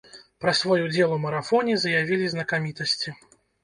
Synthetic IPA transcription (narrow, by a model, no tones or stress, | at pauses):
pɾɐsvɔjud͡zʲɛlˠumɐɾafɔnʲizɐjavʲilʲiznɐkamʲit̪ɐsʲt͡sʲi